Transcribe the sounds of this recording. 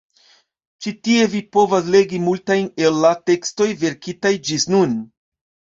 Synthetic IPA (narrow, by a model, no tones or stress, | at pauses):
t͡ʃitie̞vipo̞vas̬le̞ɡimultajne̞lːate̞ksto̞jve̞ɾkitajd͡ʒisnun